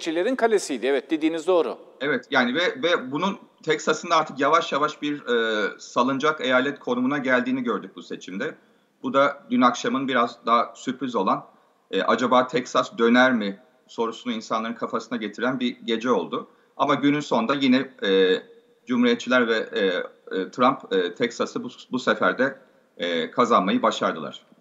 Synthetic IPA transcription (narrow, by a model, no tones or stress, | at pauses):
t͡ʃʰilʲeɾinkʰalʲesijd̪ɪɛvɛt̪̚d̪ed̪iːnizd̪o̞ːɾʊ̰evɛt̪jaːnivɛvɛbunun | t̪ʰɛksasɯnd̪aaɾt̪ʰɯkjavaʃjavaʃbiɾɛːsalˠɯnd͡ʒake̞jalʲɛt̪kʰo̞numunaɟælʲd̪iːniɟø̞ɾd̪yc̚buse̞t͡ʃʰimd̪ɛ | b̥ud̪ad̪ynakʃamɯnbiɾazd̪aɦsypɾizo̞lˠan | ɛʔad͡ʒabaːt̪ʰɛksasd̪ø̞næɾmɪ | so̞ɾusunuinsanlˠaɾɯnkʰafasɯnaɟet̪ʰiɾænbiɟe̞d͡ʒɛo̞lˠd̪ʊ | amaɟynynso̞nd̪ajinɛɛː | d͡ʒumhuɾijɛt̪t͡ʃʰilʲæɾvɛ | t̪ʰɾampːt̪ʰɛksasɯbusefæɾd̪ɛː | kʰazanmajɯbaʃaɾd̪ɯlˠa̰ɾ̝̥